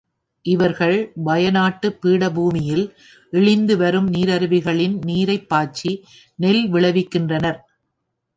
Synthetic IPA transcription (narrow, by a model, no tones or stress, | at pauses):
ʔɪʋɐɾɣɐɭbɐjɐnaːʈːɯpːiːɽɐbuːmɪjɪl | ʔɪɭɪnd̪ɯʋɐɾɯmniːɾɐɾɯʋɪɣɐɭɪnniːɾɐɪpːaːt͡ʃːi | nɛlʋɪɭɐʋɪkːɪndrɐnɐɾ